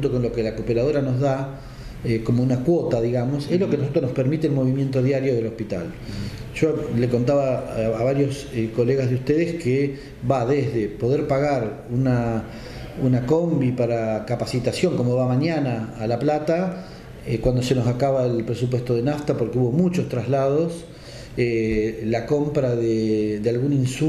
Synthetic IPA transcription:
xunt̪oko̞nlo̞kelakopeɾað̞o̞ɾano̞zða | eko̞mo̞unakwo̞t̪aðiɣamo̞sezlo̞kenosot̪ɾonospeɾmit̪eːlmo̞βimje̞nt̪o̞ðjaɾjoð̞e̞lo̞hpit̪a̰l | ʒ̥o̞leko̞nt̪aβaːβaɾjo̞s | ko̞leɣazð̞eust̪eðeske | βaðezðepo̞ð̞eɾpaɣaɾ | una | unako̞mbipaɾakapasit̪asjo̞ŋkomo̞βamaɲjanaːlaplat̪a | kwand̪o̞seno̞sakaβaelpɾesup̬we̞st̪o̞ð̞enaft̪apo̞ɾkeuβo̞mut͡ʃo̞st̪ɾazlað̞o̞s | elako̞mpɾaðed̪ealɣuninsu

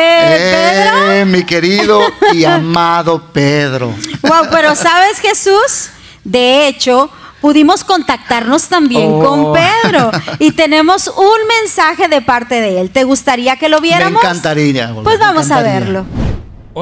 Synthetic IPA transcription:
ee | mikeɾiðoiamaðopeðɾo̰wawpe̞ɾo̞saβe̞sxe̞sus | d̪e̞et͡ʃo̞ | puðimo̞sko̞nt̪ak̚t̪aɾno̞st̪ambje̞ŋkko̞mppeðɾo̞it̪e̞ne̞mo̞sunmẽ̞nsaxe̞ðe̞paɾt̪e̞ðe̞elt̪e̞ɣust̪aɾiake̞lo̞βje̞ɾɾaŋmokant̪aɾiapwezβamosaβeɾlo̞

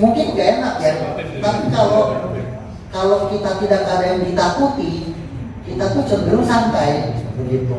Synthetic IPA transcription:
muŋkɪnɡaenak̚jat̪apikalo | kalokit̪at̪idakːadajaŋdit̪akut̪i | kit̪at̪usəbilʊŋsampajbəɡit̪u

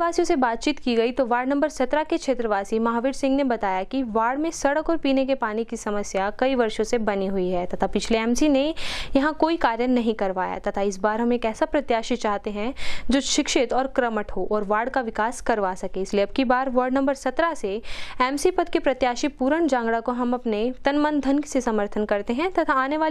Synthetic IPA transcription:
ʋaːsijõsebaːt̪̚t͡ʃiːt̪kiɡɐit̪oʋaːɾɖnɐ̃mbəɾsɐt̪ɾakekʃʰeːt̪ɾəʋaːsimɐɦaːʋɪːɖsɪ̃ŋɡnebɐt̪aːjakiʋaːɽmẽsɐɽəkɔːɾpiːnekepaːnikisɐməsjakɐiʋɐɾʃõsebɐniɦʊiɦɛːt̪ɐt̪ʰapɪt͡ʃʰleɛːmsinejɐɦãkoːikaːɾjənɐɦĩkɐɾʋaːja̰t̪ɐt̪ʰaɪsbaːɾɦɐmeːkɛːsapɾɐt̪jaːʃit͡ʃaːɦt̪eɦɛ̃d͡ʒoːʃɪkʃɪt̪ɔːɾkɾɐməʈɦoːʔɔːɾʋaːɽkaʋɪkaːskɐɾʋaːsɐkeɪslieɐb̚kibaːɾʋəɾɖnɐ̃mbəɾsɐt̪ɾaseɛːmsipɐd̪kipɾɐt̪jaːʃipuːɾəɳd͡ʒãːŋɡɽakoɦɐmɐpnet̪ɐnmə̃nd̪ʱənksesɐməɾt̪ʰənkɐɾt̪eɦɛ̃t̪ɐt̪ʰaaːneʋaːl

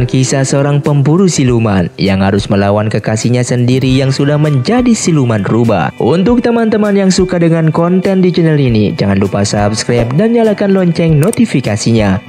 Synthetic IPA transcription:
nkisasəoɾaŋpəmpuɾusiluma̰njaŋhaɾʊsməlawankəkasiɲasəndiɾijaŋsudahməɲd͡ʒadisilumanruba̰hʔunt̪ʊk̚t̪əmant̪əmanjaŋsukadəŋankɔnt̪ɛndid͡ʒinɛlinḭd͡ʒaŋanlupasapskɾajp̚danɲalakanlɔɲt͡ʃɛŋnot̪ifikasiɲa

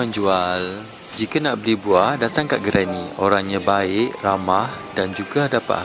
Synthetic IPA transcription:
əɲd͡ʒual | d͡ʒikanaʔbəlihbuahdat̪aŋkaʔɡəɾanioɾaŋɲabaɪʔramah | dand͡ʒuɡadapa̰

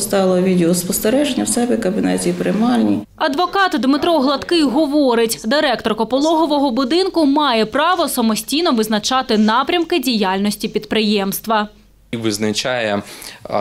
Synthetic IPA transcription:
st̪ɑlˠɐʋʲidʲɪɔspɔst̪eɾɛʒenʲːɐwsɛbʲikɐbʲɪnɛ̰tʲipɾɪmɑlʲnʲḭ | ɐd̪ʋɔkɑt̪d̪mɪt̪ɾɔɦlˠɐt̪kɪɦɔʋɔɾɪtʲd̪ɪɾɛkt̪ɔrkɔpɔlˠɔɦɔʋɔɦɔbʊd̪ɪnkʊmɑjɛpɾɑʋɔsɐmɔsʲtʲijnɔʋɪznɐt͡ʃɑt̪ɪnɑpɾʲɐmkɪdʲijɑlʲnɔsʲtʲipʲid̪pɾɪjɛmst̪ʋɐ | ʋɪznɐt͡ʃɑjɛ

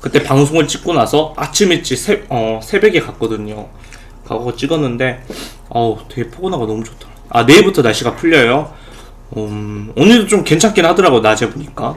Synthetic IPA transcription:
kɯt͈e̞paŋs̬ʰoŋɯɭt͡ɕ͈ik̚k͈onasʰʌat͡ɕʰimit͡ɕ͈isʰeʌsʰe̞be̞ɡe̞kak͈̚ʌdɯɲo | ka̰ɡʌʌt͡ɕ͈iɡʌnːɯnde̞ | ʌtwe̞ɡe̞pʰoɡonaɡanʌmut͡ɕo̥tʰaɾaa̰ne̞ːbutʰʌnaɭɕ͈iɡapʰuʎːʌjo | ʌonɯɭdot͡ɕ͈omke̞nt͡ɕʰank͈enɦhadɯɾaɡonad͡ʑe̞boɲik͈a

